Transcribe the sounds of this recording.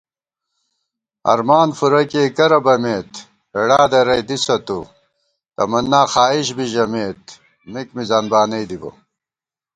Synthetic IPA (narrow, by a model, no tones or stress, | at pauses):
ɐ̰ɾmaːnfuɾɐkeːkɐɾɐbɐmeːt̪ | eɽaːd̪ɐɾɐjd̪isɐt̪u | t̪ɐ̰mɐnːaːxaːiɕbiʑɐmeːt̪ | mikmizaːnbaːnɐjd̪ibɐ̰